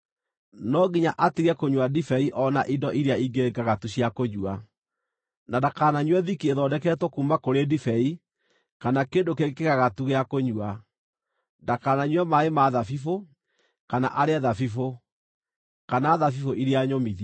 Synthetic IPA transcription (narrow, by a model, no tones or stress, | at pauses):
nɔɡiɲaʔatiɣɛkoɲwadifɛiʔɔnaʔidɔʔiɾeaiɡeɡaɣatuɕjakoɲua | nadakaːnaɲwɛðikieðɔdɛkɛtɔkumakoɾedifɛi | kanakeːndokeɣkeɣaɣatuɣeakoɲua | ndakaːnaɲwɛmaemaðafifo | kana̰ʔaɾeɛðafifo | kanaːðafifoʔiɾeaɲomiði